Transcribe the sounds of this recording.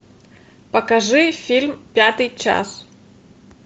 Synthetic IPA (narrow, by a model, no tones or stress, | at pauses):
pɐkaʐɨfʲilʲmpʲat̪ɨjt͡ʃa̰s